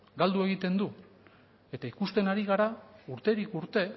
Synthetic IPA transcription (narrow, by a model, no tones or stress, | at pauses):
ɡald̪ue̞ɣit̪e̞nd̪u | e̞t̪aikust̪e̞naɾiɣ̞aɾauɾt̪e̞ɾikuɾt̪e̞